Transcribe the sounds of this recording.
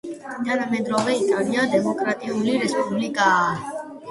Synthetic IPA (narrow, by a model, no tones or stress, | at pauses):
d̪ʰanəmẽd̪ɾoɡeit̪ʰʼalijad̪emokɾat̪iuliɾɛspublika